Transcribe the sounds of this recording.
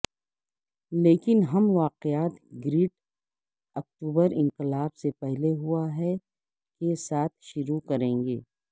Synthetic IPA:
leːkɪnɦɐmʋaːqɪjaːt̪ɡɾiːʈ | ɐk̚ʈuːbəɾɪ̃ŋqɪlaːbsepɛɦleɦuaɦɛ | kesaːt̪ʰʃʊɾukɐɾẽːŋɡeː

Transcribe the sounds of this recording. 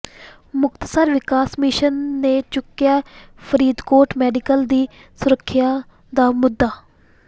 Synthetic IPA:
mʊkt̪səɾʋɪkaːsmɪʃənːeːt͡ʃʊkːjaːpʰəɾiːd̪koːɾʈmɛːɖɪkəld̪iː | sʊɾəkʰːɪjaː | d̪aːmʊd̪ːaː

